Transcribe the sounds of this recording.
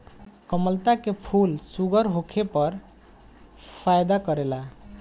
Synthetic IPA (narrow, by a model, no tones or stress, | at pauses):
kəməlt̪akepʰulsuɡəɾɦokʰepəɾ | pʰajd̪akəɾela